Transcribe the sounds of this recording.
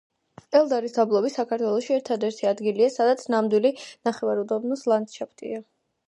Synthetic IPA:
ɛlˠd̪aɾisd̪ablˠɔbisakʰaɾt̪ʰwɛlˠɔʃiɛɾt̪ʰad̪ɛɾt̪ʰiad̪ɡiliasad̪at̪sʰnamd̪wilinaχɛvaɾud̪abnɔslˠand̪ʃapʰt̪ʼḭa

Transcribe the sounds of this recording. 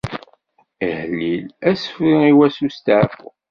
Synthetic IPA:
ihəlːilæsə̥fɾiiwæsust̪ʕfʊ̰

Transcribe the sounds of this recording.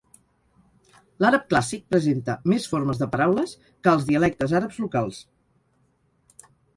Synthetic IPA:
laɾəp̚klasik̚pɾəzent̪əmesfoɾməzðəpəɾawləs | kəːlˠzðiəlɛk̚t̪əzaɾəpzlukalˠs

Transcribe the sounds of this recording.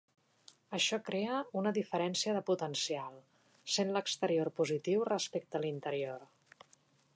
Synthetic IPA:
əʃɔkɾeəunəðifəɾɛnsiəðəput̪ənsialˠ | senləkst̪əɾiorpuzit̪iwrəspek̚t̪əlint̪əɾior

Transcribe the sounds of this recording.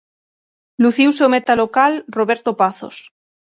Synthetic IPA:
luθiwseomet̪alokalroβeɾt̪opaθo̰s

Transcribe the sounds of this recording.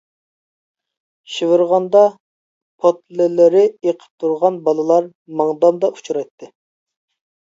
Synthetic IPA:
ʃivɨɾʁɑnd̪ɑ | pʰot̪lɪlɪɾɪeqʰə̥p̚t̪ʰuɾʁɑnbɑlˠɨlˠɑɾ | mɑŋd̪ɑmd̪ɑʔu̥t͡ʃʰuɾɑjt̪ʰːɨ

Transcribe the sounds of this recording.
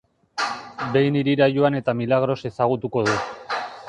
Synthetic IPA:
be̞jniɾiɾajuane̞t̪amilaɣ̞ɾo̞se̞saɣ̞ut̪uko̞ðu

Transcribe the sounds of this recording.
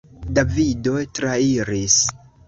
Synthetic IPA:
davido̞jtɾaiɾis

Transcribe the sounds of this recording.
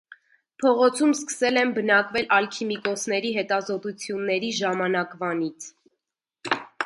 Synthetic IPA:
pʰɔʁɔt͡sʰumskə̥sɛlɛnbənɑkvɛlʔɑlkʰimikɔsnɛɾiɦɛt̪ɑzɔt̪ut͡sʰjunːɛɾiʒɑmɑnɑkvɑnit͡sʰ

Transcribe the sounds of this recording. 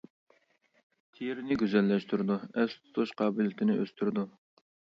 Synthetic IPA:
t̪ʰijɾnɪɡʲyzɛlːɛʃt̪yɾɪd̪uɛst̪ʰu̥t̪ʰuʃqʰɑːbɪlɪt̪ʰɪnɪʔøst̪ʰyɾɪd̪u

